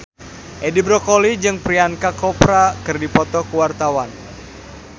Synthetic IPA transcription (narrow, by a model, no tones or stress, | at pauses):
ʔedibɾɔkolid͡ʒɨŋpɾiankakɔpɾakɨrdipɔt̪ɔkuwart̪awan